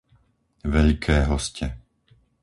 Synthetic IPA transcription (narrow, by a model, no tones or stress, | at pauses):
ʋɛʎkʰɛːɦɔscɛ